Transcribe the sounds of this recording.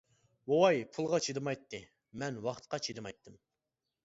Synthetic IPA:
wowɑjpʰulˠʁɑt͡ʃʰid̪ɨmɑjt̪ʰːɨ | mɛnwɑχt̪̚qɑt͡ʃʰid̪ɨmɑjt̪ʰːɨm

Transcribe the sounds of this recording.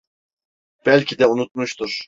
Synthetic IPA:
b̥ælʲcʰid̪ɛunut̪̚muʃt̪ʰuɾ̥

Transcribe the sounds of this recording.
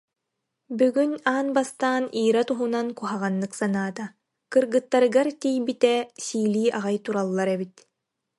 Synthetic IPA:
byɡynaːnbast̪aːniːɾat̪uɦunankuɦaʁanːɯksanaːt̪a | kɯɾɡɯt̪ːaɾɯɡaɾt̪ijbit̪ɛsiːliːʔaʁajt̪uɾalˠːaɾɛbit̪

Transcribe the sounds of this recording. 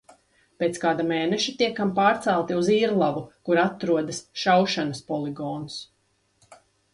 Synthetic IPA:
peːt̪skaːd̪ameːnɛʃit̪iɛkːampaːɾt̪sɛlˠt̪iuziːɾlˠavukuɾat̪ɾuɔd̪asʃawʃanɐspɔlˠiɡɔːns

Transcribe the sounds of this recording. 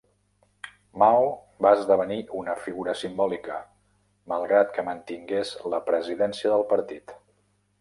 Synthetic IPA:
maw | baəzðəβ̞əniʔunəfiɣuɾəsimbɔlikə | məlˠɣɾat̪kəmənt̪iŋɡezləpɾəziðɛnsiəðəlˠpəɾt̪it̪

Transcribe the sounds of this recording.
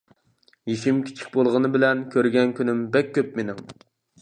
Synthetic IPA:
jiʃimkʲʰi̥t͡ʃʰi̥k̚ʲbolˠʁənɨbɪlɛnkʲʰøɾɡʲɛnkʲynymbɛkʲʰːøp̚menɪŋ

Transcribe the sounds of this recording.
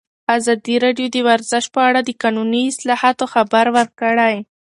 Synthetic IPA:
azɑd̪iɾɑɖjod̪əwaɾzɪʃ̚pəaɽad̪əkɑnuniɪslɑhɑt̪oxabaɾwəɾkəɽaj

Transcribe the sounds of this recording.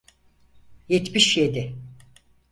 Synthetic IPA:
jet̪miʃjed̪ɪ

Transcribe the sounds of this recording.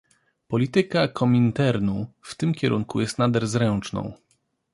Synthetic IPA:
pɔlʲit̪ɘkakʰɔmʲint̪ɛɾnuft̪ɘmkʲɛɾʔuŋkujɛst̪nad̪ɛɾzɾɛnt͡ʂnɔ̰̃w̃

